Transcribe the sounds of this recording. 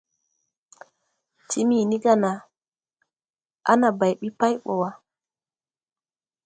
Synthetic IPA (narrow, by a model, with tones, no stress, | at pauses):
ti˦mi˨ni˦ɡa˦˨na˨ | a̰˦na˨ba˨jɓi˦pa˦jɓɔ˨wa˦